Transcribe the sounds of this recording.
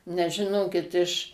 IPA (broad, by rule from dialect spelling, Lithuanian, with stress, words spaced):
nʲɛs ʒʲɪˈnoːkʲɪt ɪʃ